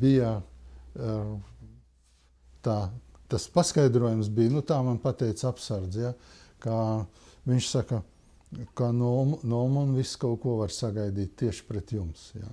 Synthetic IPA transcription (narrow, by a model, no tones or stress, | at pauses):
bijɐ | t̪aː | t̪aspaskajd̪ɾuɔjums̬biːnut̪aːmanpat̪ɛjt̪sapsaɾd̪zjakaːʋiɲʃsakɐ | kanumnɔmunviskaʊkuɔʋaɾsaɡajd̪iːt̪̚ʲt̪iɛʃpɾet̪jumsja̰